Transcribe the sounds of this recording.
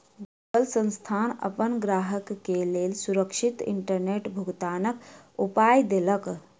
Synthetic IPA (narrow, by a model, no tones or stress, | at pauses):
ɡuɡəlsə̃nst̪ʰaːnə̰pənɡɾaːɦəkːeleːlsuɾəkʃit̪ḭɳʈəɾneʈbʱuɡt̪aːnək | upaːjd̪elək